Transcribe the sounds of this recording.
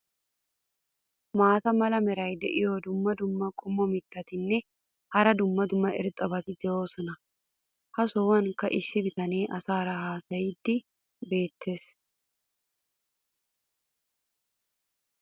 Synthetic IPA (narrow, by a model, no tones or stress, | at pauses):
maːt̪ɐmɐlɐmɛɾɐjd̪ɛʔɪjoːd̪ʊmːɐd̪ʊmːɐkʼʊmːɔmɪt̪ːɐt̪ɪnːɛ | hɐɾɐd̪ʊmːɐd̪ʊmːɐɪ̰ɾt̪ʼɐbɐt̪ɪd̪ɛjo̞ːsɔnɐ | hɐsowɐŋkɐʔɪsːɪbɪt̪ɐne̞ːʔɐsaːɾɐhaːsɐjɪd̪ːɪ | be̞ːt̪ʰːe̞ːs